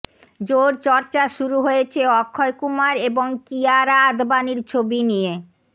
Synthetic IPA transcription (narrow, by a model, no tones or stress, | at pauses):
d͡ʑoɾt͡ɕɔɾt͡ɕaʃuɾuɦojet͡ɕʰeɔkʰːɔekumaɾeboŋkiaɾaad̪baniɾt͡ɕʰobinije